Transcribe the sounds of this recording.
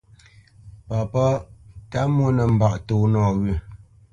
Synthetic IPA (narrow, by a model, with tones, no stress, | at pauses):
pa˨pɔ˦ta˦mwo˦nə˨m̩˨ba˦˨ʔto˨nɔ˦˨ɣʉ˦˨